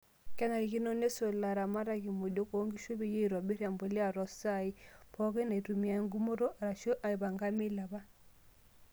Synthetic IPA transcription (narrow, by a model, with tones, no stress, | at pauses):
kɛ˦na˨i˨ki˦no˦ne˦so˨la˨ɾa˨ma˦ɾa˨ki˨mo˨do˦ko˨˦ŋɡi˦ʃo˦be˨je˦˨ɾɔ˨be˦ɾja˨mbo˨li˦a˨ɾɔ˨sa˦˨i˦pɔ˦ke˦na˨i˨tu˨mi˨a˨˦ŋɡu˦mo˦ɾo˦ʔa˨ɾa˨ʃo˦ʔa˨i˨ba˨ŋɡa˦mi˦la˨ba˦